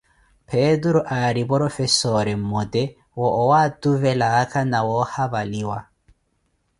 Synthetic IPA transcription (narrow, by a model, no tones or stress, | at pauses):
pʰɛduɾuʔaɾibɔɾɔfɛsɔɾɛm̩mɔdɛ | wɔʔːwatuvɛlaːkanawɔhaβaliwa